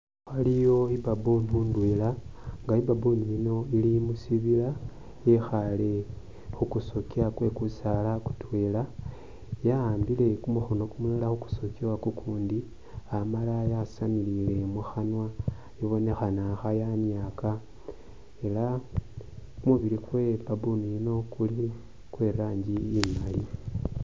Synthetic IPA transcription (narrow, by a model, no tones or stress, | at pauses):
xalijo̞ibabonundwelaŋɡaibabuniino̞ilimusiβila | jexale̞ | xukusokiakwe̞kusalaku̥twe̞la | jaaːmbile̞kumuxonokumulalaxuku̥sokiwakukʰuːndi | amalajasamilile̞muxanwa | iβo̞ne̞xanaxajanjaka | e̞la | kumuβiɾikwe̞pabunujino̞kuli | kweɾaːɲd͡ʒiːmali